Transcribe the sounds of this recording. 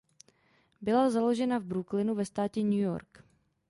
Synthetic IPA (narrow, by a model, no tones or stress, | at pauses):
bɪlazalo̞ʒɛnavbɾuklɪnuvɛst̪aːcɛɲujo̞̰ɾk